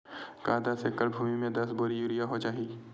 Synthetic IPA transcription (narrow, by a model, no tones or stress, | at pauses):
kaːd̪asekəɾbʱuːmimẽd̪ɐsbʊɾijuːɾijaɦot͡ʃaːɦiː